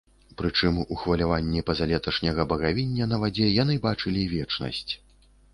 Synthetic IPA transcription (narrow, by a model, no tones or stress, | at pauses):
pɾɨt͡ʂɨmuxvɐlʲavanʲːɛpɐzalʲɛt̪ɐʂnʲɐɣɐbɐɣavʲinʲːɐnɐvad͡zʲɛjan̪ɨbat͡ʂɨlʲivʲɛt͡ʂnɐ̰sʲt͡sʲ